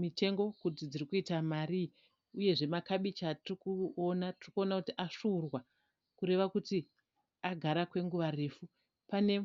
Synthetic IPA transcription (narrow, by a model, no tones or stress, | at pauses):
mite̞ŋɡo̞kut̬id͡zirikuitamari | uje̞ʐe̞makaɓit͡ʃatirikuonatirikuo̞nakutiʔaʂuːrwa | kuɾe̞ʋakuti | aɡʱaɾakwe̞ŋɡuʋare̞ːfu | pane̞